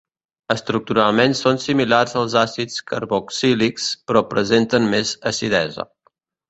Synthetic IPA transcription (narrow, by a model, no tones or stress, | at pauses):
əst̪ɾuk̚t̪uɾalˠmensonsimilarzəlˠzasit͡skəɾβɔksilikspɾɔpɾəzent̪ənmezəsiðɛzə̰